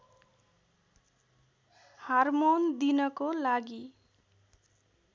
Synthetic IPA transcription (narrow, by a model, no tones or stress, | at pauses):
harmond̪inʌkolaɡi